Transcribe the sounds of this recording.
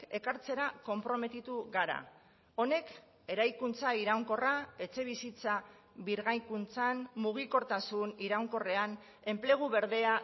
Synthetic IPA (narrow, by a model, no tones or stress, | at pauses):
e̞kaɾt͡se̞ɾako̞mpɾo̞me̞t̪it̪uɣaɾa̰ | o̞ne̞k | e̞ɾajkunt͡saiɾawŋko̞rae̞t͡se̞β̞isit͡sa | βiɾɣajkunt͡sanmuɣ̞iko̞ɾt̪asuniɾawŋko̞re̞an | e̞mple̞ɣ̞uβe̞ɾðe̞a